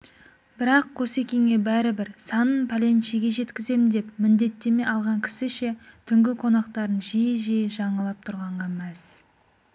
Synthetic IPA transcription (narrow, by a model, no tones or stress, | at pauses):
bɪɾɑq̚kʰose̞kʲe̞ŋe̞bæɾɪbɪɾsɑnənpʰalʲe̞nʃiɡʲe̞ʒe̞t̪kʲɪze̞mɪnd̪e̞p̚mɪnd̪e̞t̪ːe̞me̞ʔɑlˠʁɑŋkʲʰɪ̥sɪʃe̞t̪ʰʏŋɡʲɪqʰo̞nɑqt̪ɑɾənʒijɪʒejʒɑɴəlˠɑp̚t̪ʰʊɾʁɑɴʁɑmæs